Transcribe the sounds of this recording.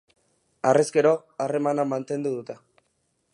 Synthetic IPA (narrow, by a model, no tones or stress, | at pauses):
areskeɾo̞ | are̞manamant̪e̞nd̪uðut̪e